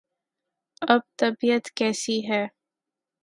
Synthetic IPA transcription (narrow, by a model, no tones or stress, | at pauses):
ɐb̚t̪ɐbijət̪kɛːsiɦɛː